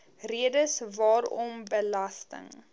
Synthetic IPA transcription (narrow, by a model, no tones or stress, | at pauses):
riədəsvɑːɾɔmbəlɐstə̰ŋ